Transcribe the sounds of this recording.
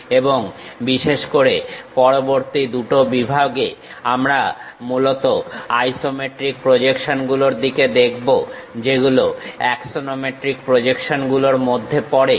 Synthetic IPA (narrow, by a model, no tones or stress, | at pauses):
eboŋbiʃeʃkoɾepɔɾoboɾt̪id̪uʈobibʱaɡḛ | amɾamulot̪oajsomeʈɾik̚pɾod͡ʑekʃonɡuloɾd̪iked̪ekʰbod͡ʑeɡuloɛksonomeʈɾikpɾod͡ʑekʃonɡuloɾmod̪ʱːepɔɾe